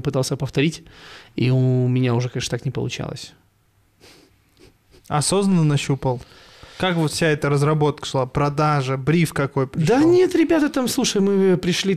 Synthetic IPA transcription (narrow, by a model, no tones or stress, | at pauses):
pɨt̪alˠsʲəpəft̪ɐɾʲitʲiʊmʲɪnʲaʊʐɛkɐeʂə̥t̪aknʲɪpə̰lˠʊ̰t͡ɕa̰lˠə̰sʲ | ɐsoznənːənɐɕupəlˠ | kakvot̪fsʲaɛt̪əɾəzɾɐbo̞t̪̚kə̥ʂllˠapɾɐd̪aʐəbɾʲifkɐko̞jpɾʲɪd̪anʲe̞t̪ɾʲɪbʲat̪ət̪amslˠuʂəjmɨpɾʲɪʂlʲi